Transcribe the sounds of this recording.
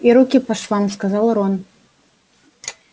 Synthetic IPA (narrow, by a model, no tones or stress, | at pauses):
iɾukʲipaʂlˠanskazalˠɾon